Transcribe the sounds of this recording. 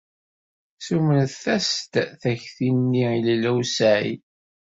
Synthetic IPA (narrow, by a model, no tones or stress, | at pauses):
sumənθθæst̪θæçθinːiillæwsæʕḭ